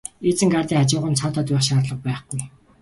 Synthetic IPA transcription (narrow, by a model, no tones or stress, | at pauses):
et͡sɘ̆ŋɡart̪iːŋχat͡ɕɪ̆ːʁə̆nt͡sʰat̪aːt̪ʊːχʃaːrɮə̆q̚pæːχɡuj